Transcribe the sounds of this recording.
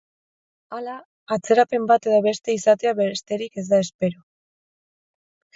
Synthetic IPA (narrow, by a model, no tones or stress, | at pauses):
alaː | t͡se̞ɾape̞mbat̪e̞ðoβe̞st̪e̞isat̪e̞aβe̞ɾest̪e̞ɾike̞zd̪ae̞spe̞ɾo